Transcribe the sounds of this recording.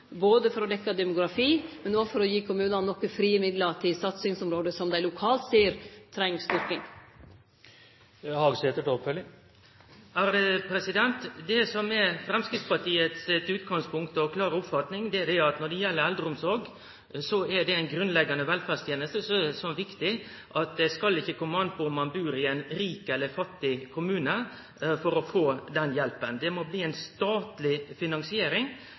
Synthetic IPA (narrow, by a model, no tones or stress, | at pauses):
boːd̪əfɔɾɔd̪ɛkːɑd̪ɛmʊɡɾɑfiːmɛnɔːfɔɾɔjiːkʰʊmʉːnɑnɔkːəfɾiːəmɪd̪lət̪ʰɪlsɑt̪sɪŋsɔmɾoːd̪əsɔmd̪æɪlʊkʰɑːlt̪siːəɾt̪ʰɾɛŋst̪ʏɾkɪŋ | hɑɡsɛːt̪əd̪opœlːɪ | æɾd̪ɛpʰɾɛsɪd̪ɛnt̪d̪ɛsɔmɛfɾɛmskɾɪt̪spɑʈʰiːət̪sɛt̪ʉːt̪ɡɑŋspʰʊŋkt̪əɔkʰlɑːɾəʊpfɑt̪nɪŋd̪ɛæd̪ɛæɑt̪nɔɖɛjɛlːəɾɛld̪ɾəʊmsɔɾɡ | sɔæɖɛɛɪnɡɾʉnlɛɡːɑnəʋɛlfæːdst̪jeːnəst̪əsɔɛɛsɔmʋɪkt̪ɪ | ʔɑt̪̚d̪ɛskɑlːɪçːəkʰɔmːɑnəpɔʊmːɑnbʉːɾɪɛnɾiːkɛlːəfɑt̪ːɪkʰʊmʉːnə | fɔɾɔfoːd̪ɛnjɛlpənd̪ɛmɔbliːɛnst̪ɑːt̪lɪfɪnɑŋsɪeːɾɪŋ